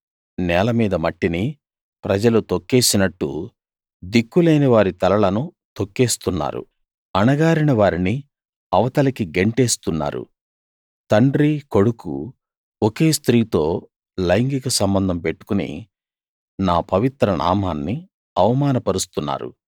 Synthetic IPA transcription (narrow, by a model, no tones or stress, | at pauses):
nɛːlɐmiːd̪ɐmɐʈːini | pɾɐd͡ʒɐlut̪okːeːsinɐʈːṵ | d̪ikːuleːniʋaːɾit̪ɐlɐɭɐnu | t̪o̞kːeːst̪unːa̰ːɾṵ | ɐnɐɡaːɾinɐʋaːɾini | ɐʋɐt̪ɐlɐkiɡe̞ɳʈe̞ːst̪unːa̰ːɾṵ | t̪ɐɳɖɾiko̞ɽukṵ | oke̞ːst̪ɾiːt̪o̞ː | lɐjŋɡikɐsɐmbɐnd̪ʱɐmpe̞ʈːu̥kunḭ | naːpɐʋit̪ɾɐnʔa̰ːmaːnːi | ɐʋɐmaːnɐpɐɾust̪unːa̰ːɾṵ